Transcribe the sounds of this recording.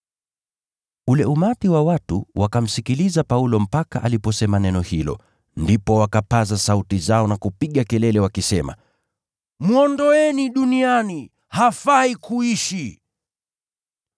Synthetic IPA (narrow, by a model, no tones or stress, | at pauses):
ulɛumatiwawatṵwʔakam̩sikilizapaulɔm̩paka̰ʔalipɔsɛmanɛnɔhilɔ̰ | ndipɔwakapazasautizaɔnakupiɠakɛlɛlɛwakisɛma̰ | mwɔndɔɛniɗuniani | hafaikuiʃi